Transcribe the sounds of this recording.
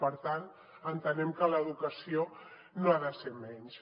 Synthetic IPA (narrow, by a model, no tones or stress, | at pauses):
pəɾt̪an | ənt̪ənɛmkələðukəsio | noaðəseɾmɛɲʃ